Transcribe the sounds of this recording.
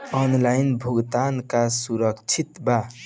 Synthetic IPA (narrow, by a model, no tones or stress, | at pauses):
ɔnlajnbʱuɡt̪ankasuɾəkt͡ʃʰit̪ba